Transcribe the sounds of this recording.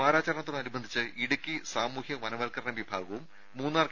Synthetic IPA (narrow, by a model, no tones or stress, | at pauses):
aːɾaːt͡ɕɐɾɐɳɐt̪ːoɽnɐɾibɐnd̪ʱit͡ɕːɨiɽukʲːisaːmuːhjɐʋɐnɐʋɐlkɐɾɐnɐʋibʱaːɡɐʋumː | uːnːaːr